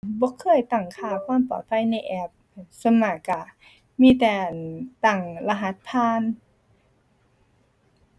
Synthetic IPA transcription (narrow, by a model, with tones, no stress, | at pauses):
bɔː˧˦kʰɤː˧˩˨jt̪a˨˩ŋkʰaː˧˩kʰaː˧˥˨mpɔ̰ː˨˩t̪̚pʰa˧˥˩jna˧˥˩jʔɛ˧˥p̚ | so˧˥maː˧˩ka˧˩ | miː˧˥˨t̪ɛː˧˩t̪a˨˩ŋla˧ɦa˧˥t̪̚pʰaː˧˥˨n